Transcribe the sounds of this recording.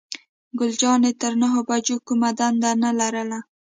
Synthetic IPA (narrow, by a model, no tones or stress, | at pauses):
ɡʊld͡ʒɑnet̪əɾnaɦobad͡ʒokumad̪and̪analaɾəla